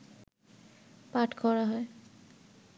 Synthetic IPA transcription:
paʈkʰɔɹaɦɔe

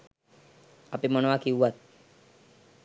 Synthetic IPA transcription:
apiməɳ̃ʋakiwʋat̪̚

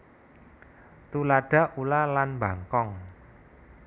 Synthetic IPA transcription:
t̪ulaɖ̥a̤ʔulalanmbaŋkɔŋ

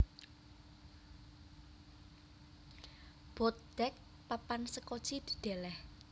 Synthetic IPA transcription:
b̥ɔt̪̚d̪̥ɛk̚ | papansəko̥t͡ʃid̪̥i̥̤ɖ̪̥elɛh

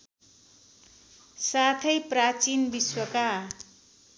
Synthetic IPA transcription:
sat̪ʰʌjprat͡sinbiswʌka

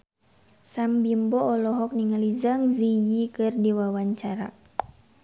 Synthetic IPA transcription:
sambimbɔɔlɔɦɔk̚niŋalizaŋzijikɨrdiwawaɲt͡ʃaɾa̰

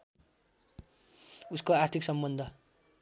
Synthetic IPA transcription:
uskoart̪ʰiksʌmbʌnd̪ʱʌ

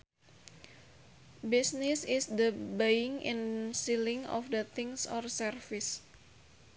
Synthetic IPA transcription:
bisnɪsɪsd̪əbejɪŋḭnsilɪŋɔ̰fd̪ət̪ʰɪŋsɔrsərfɪs

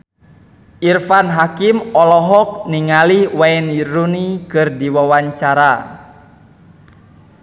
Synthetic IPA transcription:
ʔirfanɦakimɔlɔɦɔk̚niŋaliwaɛnjiɾunikɨrdiwawaɲt͡ʃaɾa

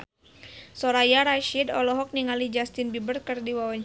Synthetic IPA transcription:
sɔɾajaɾaʃidɔlɔɦɔk̚niŋalid͡ʒast̪inbibərkərdiwawaɲ

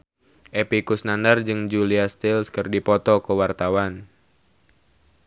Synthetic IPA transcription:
ʔepikusnandard͡ʒɨŋd͡ʒuliast̪ilskɨrdipɔt̪ɔkəwart̪awan

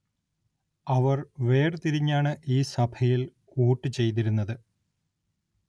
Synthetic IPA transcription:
ɐʋɐrʋe̞ːrt̪iɾiɲːaːɳɨʔiːsɐbʱʰɐjil | uːʈːɨt͡ɕe̞jt̪̬iɾunːɐðɨ

